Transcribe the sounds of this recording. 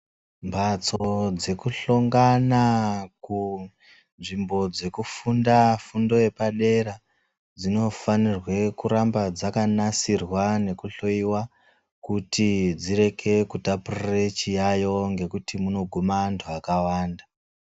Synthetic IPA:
mbat͡sod͡ze̞kuɬoŋɡanaku | nʐimbo̞d͡ze̞kufundafundo̞je̞paɗe̞ɾa | d͡zino̞fanirwe̞kuɾambad͡zakanasirwane̞kuɬo̞iwa | kutid͡ziɾe̞kʰe̞kutapurret͡ʃijajo̞ŋɡe̞kutimuno̞ɡʱumandoakawaːnda

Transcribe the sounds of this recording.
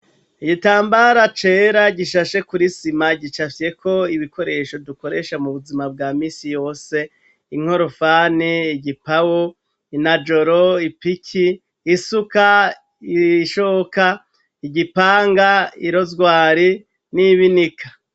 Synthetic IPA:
iɟitaːmbaɾat͡ʃe̞ːɾaɟiʃaʃe̞kuɾisimaɟit͡ʃafje̞kʰo̞iβiko̞ɾe̞ʃo̞duko̞ɾe̞ʃamuβuzimab̚ɡaːmiːsijo̞ːse̞ | iŋ̥o̞ɾofaːniːɟipawo | inad͡ʒoɾoipikʰiː | suka | iʃoka | iɟipaːŋɡaiɾo̞zɡwaːɾi | niβinikʰḁ

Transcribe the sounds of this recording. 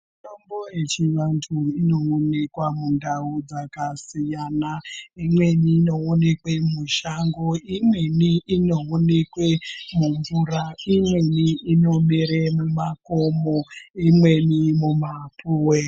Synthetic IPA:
mutomboet͡ʃiʋantʰuino̞ːne̞kwamundaud͡zakasijanaimwe̞niːno̞ːne̞kwemuʃaŋɡoimwe̞niino̞one̞kwemuɱvuɾaimwe̞niino̞miɾemumakomoimwe̞nimumapuːwe

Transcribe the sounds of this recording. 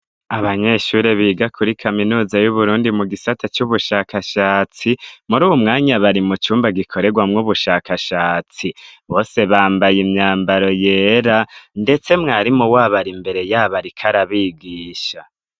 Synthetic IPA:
aβaɲe̞ʃuːɾeβiːɡakʰuɾikʰaminuːzajuβuɾuːndimuɡisatʰat͡ʃuβuʃaːkaʃaːt͡simuɾuːwumŋaːɲaβaɾimut͡ʃuːmbaɡikʰo̞ɾe̞ɡwamŋuβuʃaːkaʃaːt͡siβo̞ːse̞βaːmbajimɲaːmbaɾo̞je̞ːɾande̞t͡se̞mŋaːɾimuwaːβaɾimbe̞ɾe̞jaːβaɾikʰaɾaβiːɡiːʃa

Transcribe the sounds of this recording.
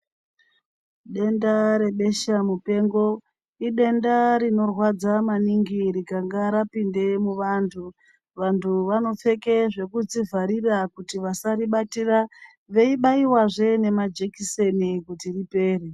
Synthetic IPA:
ɗe̞ndaɾe̞ɓe̞ʃamupe̞ːŋɡo̞ | iɗe̞ndaɾino̞rwad͡zamaniŋɡiɾikaŋɡaɾapinde̞muʋaːntʰu | ʋantʰuʋano̞p͡fe̞ke̞ʐe̞kud͡zivaɾirakutiʋasaɾiɓatira | ʋe̞iɓaiwaʐe̞ne̞mad͡ʒekise̞nikutiripe̞ːri

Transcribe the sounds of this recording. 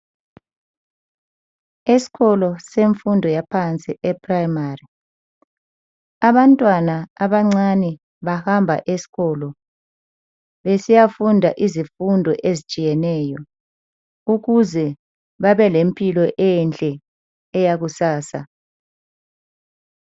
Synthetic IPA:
esi̥ɣɔlɔseɱfundʱɔjapʰant͡sʼiʔɛpʰʼrajimari | aβantʼwanaaβaŋ͡ǀanɛ | βahambʱa̰ʔesi̥ɣɔlɔ | βesijafundʱaʔizifundʱɔʔezit͡ʃʼijɛnɛːjɔ | uɣuzɛ | βaβɛlempʼilɔʔɛnt͡ɬʼɛː | jaɣusaːsa̰

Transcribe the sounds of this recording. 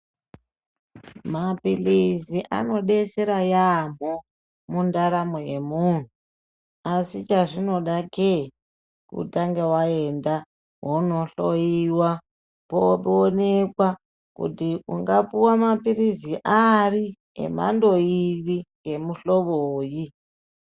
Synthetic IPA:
mapilisiʔa̰no̞ɗe̞seɾajam̤o | mundaɾamoeemun̤u | asit͡ʃaʐino̞ɗake | kṵtaŋɡewaenda | ɦono̞ɬojiwa | popːnekwa | kṵtiuŋɡapuwamapiriziʔari | ḛma̰ndo̞iriŋɡe̞muɬo̞ʋoːji

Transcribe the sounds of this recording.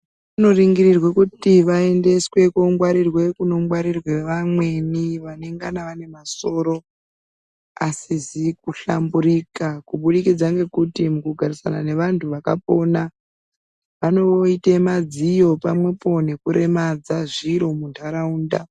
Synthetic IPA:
ʋuno̞riŋɡiɾirwekutiʋae̞nde̞swe̞koŋɡwaɾirwe̞kuno̞ŋɡwaɾirwe̞ʋamwe̞niʋane̞ŋɡanaʋane̞maso̞ːɾo̞ | asizikuɬambuɾikakuɓuɗikid͡zaŋɡe̞kutimukuɡʱaɾisa̰nane̞ʋantʰuʋaka̰po̞na | ʋano̞oitemad͡zijo̞pamwe̞po̞ne̞kuɾe̞mad͡zaʐiɾo̞mundʰʱaɾauːnda̰

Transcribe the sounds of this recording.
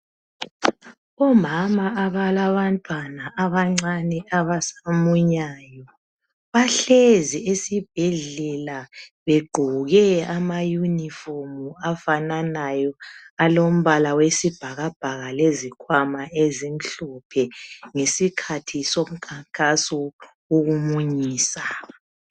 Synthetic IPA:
ɔmamaaβalaβantʼwanaʔaβaŋ͡ǀanɛaβasamuɲajɔ | βaɬeziesib̥̚ʱɛɮɛlaβeɡ͡ǃʱuɣɛamajunifomuafananajɔalom̩βalawesib̥ʱaɣab̥ʱaɣalezikʰwamaezinɬupʰɛŋesikʰatʰisom̩kʰaŋkʼasu | uɣumuɲiːsa

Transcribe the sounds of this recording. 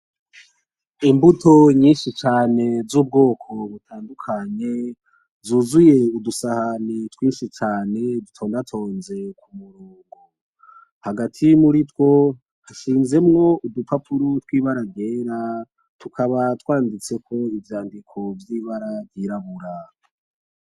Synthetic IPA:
imbutʰo̞ɲiːnʃit͡ʃaːne̞zuːb̚ɡo̞ːkʰo̞βutʰaːndukʰaɲe̞ | zuːzuje̞udusahanetwiːnʃit͡ʃaːne̞dutʰo̞ːndatʰo̞ːnze̞kumuɾuːŋɡu | haɡatʰimuɾitwo̞ | haʃiːnze̞mŋo̞ʔudupapʰuɾotwiːβaɾaɡe̞ːɾa | tʰukʰaβatwaːndit͡se̞kʰo̞ivjaːndikʰo̞vjiβaɾavɟiɾaβuɾa

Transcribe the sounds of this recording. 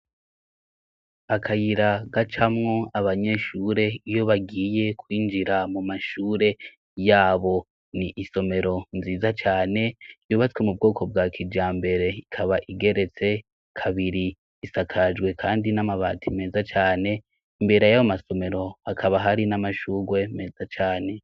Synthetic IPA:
akʰajiɾaɡat͡ʃamŋo̞aβaɲe̞ʃuɾe̞ijo̞βaɡiːje̞kwiːnd͡ʒiɾamumaʃuːɾe̞ | jaːβo̞ | niʔiso̞me̞ɾo̞nziːzat͡ʃaːne̞juːβat͡swe̞mub̚ɡo̞ːkʰo̞b̚ɡakʰid͡ʒaːmbe̞ɾe̞ikʰaβaʔiɡe̞ɾe̞t͡se̞ | kʰaβiɾiː | sakʰad͡ʒɡwe̞kʰaːndinamaβaːtʰime̞ːzat͡ʃaːne̞ | imbe̞ɾejaβamaso̞me̞ɾo̞hakʰaβaɦaɾinamaʃuːɡwe̞me̞ːz̥at͡ʃaːne̞

